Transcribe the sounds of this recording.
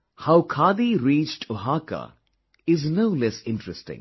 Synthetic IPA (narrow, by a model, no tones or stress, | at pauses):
haʊkʰaːd̪iɾiːt͡ʃʈʰoɦaːka̰ | ɪznoʊlɛsɪ̃nʈɾɛsʈɪ̰̃ŋ